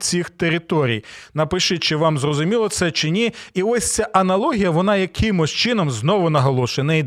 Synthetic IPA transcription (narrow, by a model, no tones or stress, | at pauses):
t͡sʲixt̪eɾɪt̪ɔɾʲḭjnɐpɪʃɪt͡ʃɪʋɑmzrɔzʊmʲilˠɔt̪sɛt͡ʃɪnʲiiɔsʲt͡sʲaʔɐnɐlˠɔɦʲijɐʋɔnɑjɐkʰɪmɔsʲt͡ʃɪnɔmznɔʋʊnɐɦɔlˠɔʃenɐi